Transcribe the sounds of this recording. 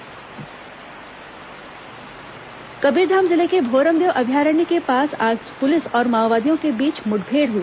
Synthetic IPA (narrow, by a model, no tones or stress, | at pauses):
kɐbiːɾd̪ʱaːmzɪlekebʱoːɾəmd̪eːʋʔɐbʱjaːɾənikepaːsaːd͡ʒpʊlɪsɔːɾmaːʋʋaːd̪ijõkebiːt͡ʃmʊɖbʱeːɽɦʊiː